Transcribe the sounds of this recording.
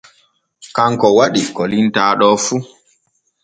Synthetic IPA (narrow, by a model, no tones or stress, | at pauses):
kaŋkɔwaɗikɔlintaːɗɔːfu